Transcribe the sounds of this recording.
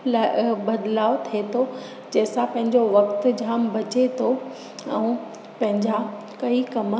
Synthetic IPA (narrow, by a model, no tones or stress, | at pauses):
labɐd̪laːot̪ʰiet̪ʰo | d͡ʑeːsãpɐ̃ɦɪ̃ɲd͡ʑoʋɐkt̪d͡ʑʱaːmbɐt͡ɕet̪ʰo | ɛ̃ː | pɐ̃ɦɪ̃ɲd͡ʑa | kɐikɐmə